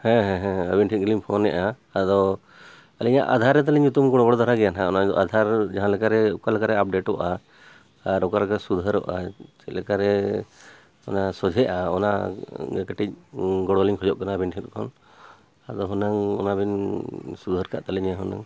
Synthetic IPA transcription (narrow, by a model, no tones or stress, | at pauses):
hɛ̃ɦɛ̃ɦɛ̃əbinʈʰit̪̚ɡliɲpʰɔnɛʔaː | d̪ɔ | aliɲa̰ʔa̰d̪ʱaɾɛt̪̬aliɲut̪umkɔɽɔbɔɽɔd̪aɾaɡɛjanɦaɔnad̪ɔ̰ʔad̪ʱaɾd͡ʒaɦanlɛkaɾɛukalɛkaɾɛap̚ɖeʈɔʔaː | ɾɔkalɛkasud̪ʱəɾɔ̰ʔa̰t͡ʃɛlɛkaɾɛ | ɔnasɔd͡ʒʱɛʔaɔ̰naɡɛkɛʈic̚ɡɔɽɔliɲkʰɔd͡ʒɔʔkanaəbinʈʰit̪̚kʰɔ̰n | ad̪ɔɦɔnaŋɔ̰nabinsud̪ʱəɾkaʔt̪aliɲaɦɔna̰ŋ